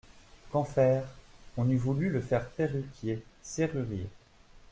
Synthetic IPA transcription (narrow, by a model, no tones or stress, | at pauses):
kɑ̃fɛːʁɔ̃nyvulyləfɛʁpeʁykjeseʁyʁje